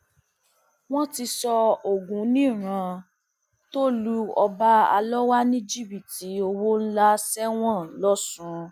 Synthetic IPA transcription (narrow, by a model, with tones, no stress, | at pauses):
w̃ɔ̃˦ti˧sɔ˧o˨ɡũ˨˦nĩ˦˨ɾ̃ã˧ | to˦lu˧ɔ˧ba˦a̰˧lɔ˦wa˦nĩ˦d͡ʒi˦˨bi˨ti˨˦o˧wo˦n̩˦la˦sɛ˦w̃ɔ̃˦˨˦lɔ˦sũ˦˧